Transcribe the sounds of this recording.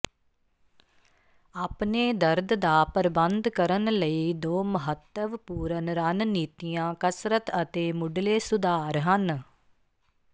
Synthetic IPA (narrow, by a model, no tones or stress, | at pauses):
aːpneːd̪əɾd̪d̪aːpəɾbənd̪kəɾənləiːd̪oːməɦət̪ːəʋpuːɾənɾaːnniːt̪ijãːkəsɾət̪ət̪eːmʊɖleːsʊd̪aːɾɦən